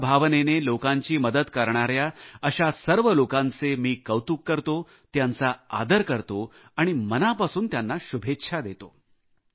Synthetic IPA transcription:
bʱaʋnenelokaɲt͡ɕiːməd̪ət̪kəɾɳ̃aɾjaəɕasəɾʋəlokãnt͡semiːkəʋt̪ukːəɾt̪o | t̪jant͡saa̰d̪əɾkəɾt̪o | aɽ̃imənapasuːnt̪janːaɕubʱetːɕʰad̪et̪o

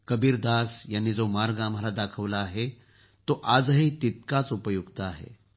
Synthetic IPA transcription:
kəbiːɾd̪asjanːid͡zomaɾɡaːmalad̪akʰəʋlaːɦe | t̪oʔad͡zɦet̪it̪̚kat͡supəjuɡt̪aːɦḛ

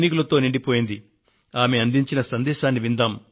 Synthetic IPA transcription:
nik̬ulɐt̪oːniɳɖipo̞ːjind̪i | aːmeɐnd̪iɲt͡ʃinɐsɐnd̪ɛːʃaːnːiʋind̪aːm

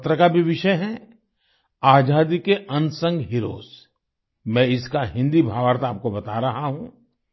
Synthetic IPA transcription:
t̪ɾəkabʱiʋɪʃəjɦɛ̃ | aːd͡ʒaːd̪ikeʔɐnsə̃ŋɡɦɪɾo̰ːs | mɛ̃ɪskaɦɪ̃nd̪ibʱaːʋəɾt̪aːp̚kobɐt̪aɾɐɦaɦũː

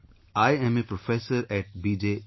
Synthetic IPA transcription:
aːjɛ̃mepɾofɛːsəɾɛʈ̚biːd͡ʒe

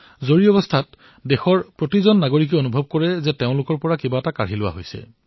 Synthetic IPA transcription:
zoɹiɔbɔstʰat | dexɔɹpɹotizɔnːaɡoɹik̬ɛonubʱɔb̚kɔɹɛzɛteʊ̃lʊkɔɹpɔɹakibaɛtakaɹɦilʊwa̰ɦojsɛ̰

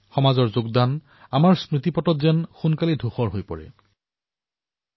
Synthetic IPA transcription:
xɔmazɔɹzoɡdan | amaɹspɹitipɔtɔtzɛnxunkalidʱuxɔɹɦojpɔɹɛ̰

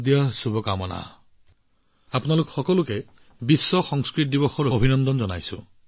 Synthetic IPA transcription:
d̪iasubɔkamɔna̰ | apɔnalukɔ̥xɔkɔluke | bisːɔxɔŋskɾit̪̚d̪ibɔxɔɾobʱinɔnd̪ɔnd͡ʒɔnajsṵ̃

